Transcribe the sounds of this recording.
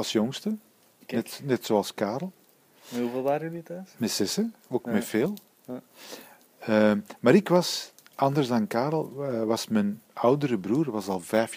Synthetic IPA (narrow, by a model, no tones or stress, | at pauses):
ɑlˠsjɔŋstə | nɛtnɛtsoːɑlˠskaːɾl̩ˠ | uvɪlˠdaːɾjəditɛsmɛsɛsəoːkmɛfeːlˠ | əmaːɾɪkʋɑs | ʔɑndərzdɑnkaːɾl̩ˠʋɑsmɛnʌwdəɾəbɾuːrʋɑsɑlˠvɛjf